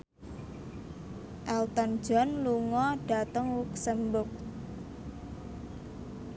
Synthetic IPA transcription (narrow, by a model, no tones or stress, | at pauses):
ʔɛlt̪ɔn̥d͡ʒ̥ɔ̤nluŋɔɖ̥a̤t̪əŋwuk̚səmbʊk̚